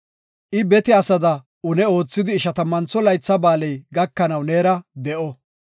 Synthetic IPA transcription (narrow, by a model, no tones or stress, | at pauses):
ʔɪbɛt̪ɪɐsɐd̪ɐ | ʊnɛo̞ːt͡sːɪd̪ɪːʃɐt̪ɐmːɐnt͡sːɔlɐjt͡sːɐbaːlɛjɡɐkːɐnɐwne̞ːɾɐd̪ɛʔɔ